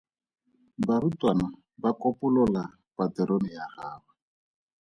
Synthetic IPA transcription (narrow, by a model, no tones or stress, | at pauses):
barutwana | bakɔpʊlɔla | patɛɾonɪjaχaːba